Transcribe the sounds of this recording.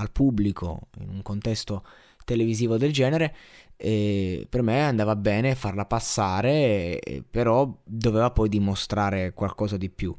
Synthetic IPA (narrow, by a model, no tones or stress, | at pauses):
alpubːlikʰo̰ḭnuŋkont̪ɛst̪o | t̪eleviziːvod̪eld͡ʒɛːneɾeɛpermeand̪aːvabɛːnefːarlapasːaːɾḛ | peɾɔd̪oveːvapɔjd̪imost̪ɾaːɾekwalkɔːzad̪ipju